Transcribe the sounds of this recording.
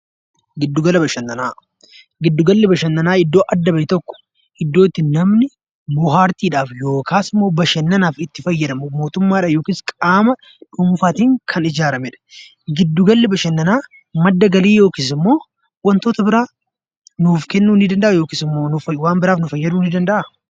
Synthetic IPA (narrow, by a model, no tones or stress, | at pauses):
ɡɪd̪ːʊɡɐlɐbɐʃɐnːɐnaː | ɡɪd̪ːʊɡɐlːɪbɐʃɐnːɐnaːɪd̪ːo̞ːʔɐd̪ːɐbɐjɪt̪ɔkːɔ̥ | ʔɪd̪ːo̞ːt̪ːɪnɐmnɪ | bʊɦaːɾt̪iːᶑaːfjo̞ːkʰaːsɪmːo̞ːbɐʃɐnːɐnaːfɪt̪ːɪfɐjːɐd̪ɐmʊmo̞ːt̪ʊmːaːᶑɐːjo̞ːkɪːskʼaːmɐ | ᶑʊmfaːt̪iːŋkʰɐnɪd͡ʒaːɾɐmɛᶑɐ̥ | ɡɪd̪ːʊɡɐlːɪbɐʃɐnːɐnaː | mɐd̪ːɐɡɐliːjo̞ːkiːs̬ɪmːo̞ː | wɐnt̪oːt̪ɐbɪɾaː | nuːfkɛnːuːnːɪd̪ɐnd̪ɐʔɐjo̞ːkiːsɪmːoːnʊfɐwaːmbɪɾaːfnʊfɐjːɐd̪uːnːɪd̪ɐnd̪ɐʔɐ